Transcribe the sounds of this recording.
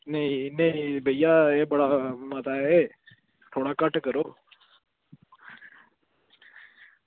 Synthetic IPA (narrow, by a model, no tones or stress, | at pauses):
neĩneĩbəijaeːbəɽamət̪ae | t̪ʰoːɽakəʈkəɾoː